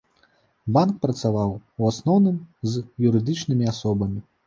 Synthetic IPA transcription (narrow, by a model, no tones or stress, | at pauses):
bank̚pɾɐt̪savawwasnɔwnɨmzjuɾɨd̪ɨt͡ʂnɨmʲiasɔbɐmʲi